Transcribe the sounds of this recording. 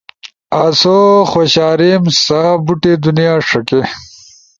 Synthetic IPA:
asoxwoɕaːɾimsaːbuʈed̪unijaːʂɐke

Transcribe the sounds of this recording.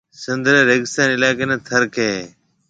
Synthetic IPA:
sɪnd̪ɾẽːɾeɡɪst̪aːnːɪlaːkeːnẽːt̪ʰəɾkeː

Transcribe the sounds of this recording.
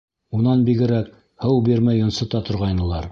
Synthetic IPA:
unɑnbiɡɘ̆ɾæk | hɤwbiɾmæjŏnsɤ̆t̪ɑt̪ŏɾʁɑjnɤ̆lˠɑɾ

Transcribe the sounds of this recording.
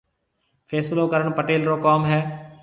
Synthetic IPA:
fʰɛːsloːkəɾəɳpəʈeːlɾoːkaːmɦɛː

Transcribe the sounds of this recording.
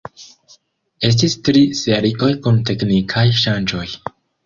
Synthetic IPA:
e̞s̬tistɾise̞ɾiʔo̞jkunte̞knikʰajʃand͡ʒo̞j

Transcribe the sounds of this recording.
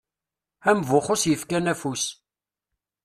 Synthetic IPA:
æmvʊχʊsjəfkænæfus

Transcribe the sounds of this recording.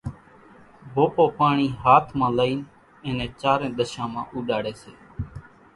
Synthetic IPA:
bʱoːpoːpaːɳiːɦaːt̪ʰmãːləiːn | ẽːnẽːt͡ʃaːɾẽːɗ̪əʃãːmãːʔuːɗaːɽeːseː

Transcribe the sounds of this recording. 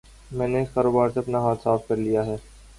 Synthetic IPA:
mɛ̃ːneɪskaːɾoːbaːɾseɐpnaɦaːt̪saːfkɐɾlijaɦɛː

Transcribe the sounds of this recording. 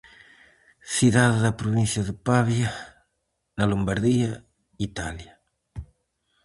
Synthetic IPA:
siðaððɐpɾoβinθjɐðəpaβja | nalombaɾðia | it̪alja

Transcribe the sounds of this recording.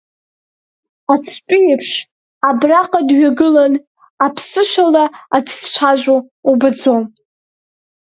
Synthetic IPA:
at͡sʷʰt͡ʃʼiepʰʂ | abraqʼadɥaɡɨlan | apʰsɨʃʷᶣalaat͡sʰʃʷʰaʒʷᶣo | ubɨd͡zom

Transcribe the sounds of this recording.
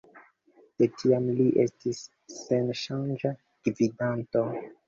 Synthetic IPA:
d̥etʰiamliʔestisː | enʃand͡ʒa | ɡ̥vidanto

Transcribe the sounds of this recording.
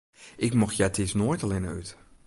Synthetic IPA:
ʔɪkmɔxjɛtʰɪsnoːjtalɪnəyt

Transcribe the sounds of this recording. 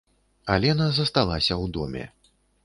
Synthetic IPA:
alʲɛnazɐst̪alˠasʲɐwd̪ɔ̰mʲɛ̰

